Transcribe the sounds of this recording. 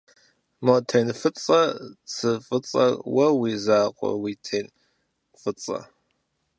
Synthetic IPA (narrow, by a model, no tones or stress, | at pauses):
motʰejnfɨt͡sʼɐt͡sʰɨfʼɨt͡sʼɐ̰wɐwiːzaːqʷʼɔ̰wiːtʰeːn | fɨt͡sʼɐ̰